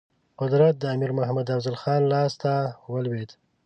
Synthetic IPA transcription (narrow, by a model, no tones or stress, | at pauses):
qʊd̪ɾat̪̚d̪əamiɾmʊhamad̪afzalxɑnlɑst̪awəlwed̪